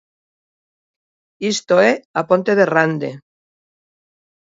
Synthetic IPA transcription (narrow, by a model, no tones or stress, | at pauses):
ist̪oeapont̪eðerand̪e